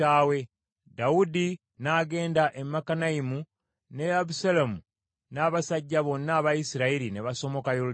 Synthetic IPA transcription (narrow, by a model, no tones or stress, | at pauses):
aːwe̞ | daudi | naːɡe̞ːndaʔemːakanaimu | ne̞aβusalamu | naːβasaɟːaβo̞nːaːβajisiɾaiɾineβaso̞mo̞kajo